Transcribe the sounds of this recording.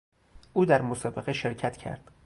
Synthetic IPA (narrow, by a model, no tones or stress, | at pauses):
ʔuːd̪æɾmosɒːbeɣeʃe̞ɾcʰæt̪ʰcʰæ̰ɾd̪̥